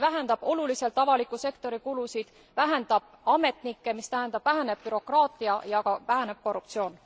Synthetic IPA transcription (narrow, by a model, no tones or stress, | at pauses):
væɦend̪̥ɑb̥o̞lulise̞lt̪ːˑɑvɑlikːˑuse̞kt̪o̞ɾikulusid̪̥ | væɦend̪̥ɑb̥ɑme̞t̪nikːe̞mist̪æɦend̪̥ɑb̥væɦæne̞b̥̚pyɾo̞krɑːt̪ːˑiɑjɑkɑvæɦæne̞b̥̚ko̞rːup̚t̪sio̞ːn